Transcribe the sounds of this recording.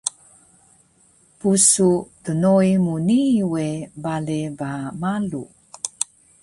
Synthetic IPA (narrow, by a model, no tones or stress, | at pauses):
pusutənojmuniwebalebamalu